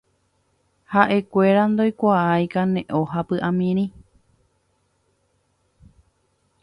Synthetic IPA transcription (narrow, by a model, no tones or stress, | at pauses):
haʔe̞kʷe̞ɾand̪ojkʷaajkanẽʔoɦapɨʔãmĩɾ̃ĩ